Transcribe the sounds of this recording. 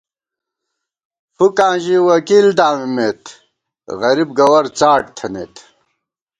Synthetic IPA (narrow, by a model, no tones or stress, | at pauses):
fukãːʑiwɐkiːld̪aːmimet̪ | ɣɐɾibɡɐwɐɾt͡saːʈ̚t̪ʰɐnḛːt̪